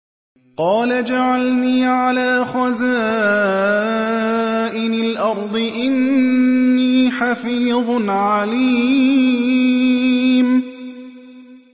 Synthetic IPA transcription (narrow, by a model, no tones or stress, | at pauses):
qɑːlad͡ʒaʕalniːʕalaːxazaː | ʔɪnalʔɑɾˤd̪ˤɨʔɪnː | iːħafiːðˤnʕaliː | m